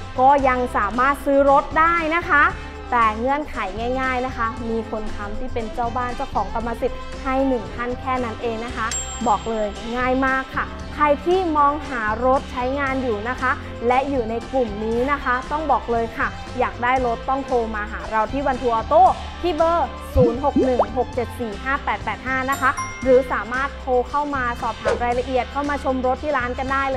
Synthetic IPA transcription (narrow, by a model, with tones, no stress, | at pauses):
kɔː˥˩ja˧ŋsaː˩˦maː˥˩t̪̚sɯː˦˥ɾo˦˥t̪̚daː˥˩jna˦˥kʰa˦˥ | t̪ɛː˨˩ŋɤ˧˥ənkʰa˨˩˦jŋaː˥˩jŋaː˥˩jna˦˥kʰa˦˥miː˧kʰo˧nkʰa˦˥mt̪ʰiː˥˩pe˧nt͡ɕaː˥˩wbaː˥˩nt͡ɕa˥˩wkʰɔː˩˦ŋk̪a˧mːaː˧si˨˩p̪̚ | ha˥˩jnɯ˨˩ŋk̪ʰa˥˩nkʰɛː˥˩na˦˥nʔeː˧ŋna˦˥kʰa˦˥ | bɔː˨˩k̚lɤː˧j | ŋaː˥˩jmaː˥˩kʰːa˥˩ | kʰa˧jt̪ʰiː˥˩mɔː˧ŋɦaː˩˦ɾo˦˥t̪̚t͡ɕʰa˦˥jŋaː˧njuː˨˩na˦˥kʰa˦˥ | lɛ˦˥juː˨˩na˧jklu˨˩mniː˦˥na˦˥kʰa˦˥t̪ɔ˥˩ŋbɔː˨˩k̚lɤː˧jkʰa˥˩ | jaː˨˩k̚daː˥˩jɾo˦˥t̪ːɔ˥˩ŋt̪ʰoː˧maː˧ɦaː˩˦ɾa˧wt̪ʰiː˥˩wa˧nt̪ʰuː˧ʔɔː˧t̪oː˥˩ | t̪ʰiː˥˩bɤː˧˩ | suː˩˦nɦo˨˩k̚nɯ˨˩ŋŋɦo˨˩k̚t͡ɕe˨˩t̪̚siː˨˩ɦaː˥˩pɛː˨˩t̪̚pɛː˨˩t̪̚haː˥˩na˦˥kʰa˦˥ɾɯː˩˦saː˩˦maː˥˩t̪ʰːoː˧kʰa˥˩wmaː˧sɔː˨˩p̚t̪ʰaː˩˦mɾaː˧jla˧ʔi˨˩ət̪̚kʰa˥˩wmaː˧t͡ɕʰo˧mɾo˦˥t̪ʰːiː˥˩ɾaː˦˥nka˧ndaː˥˩jlɤː˧